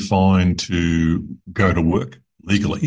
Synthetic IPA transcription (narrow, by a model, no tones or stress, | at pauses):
fãɪ̃ntʰɨɡəʊɾəwɜˑ˞k | liɡl̩ˠḭ